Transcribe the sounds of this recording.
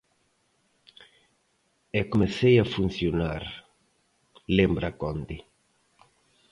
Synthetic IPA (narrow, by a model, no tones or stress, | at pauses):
ɛkomeθejafun̟θjonaɾ | lembɾakond̪ɪ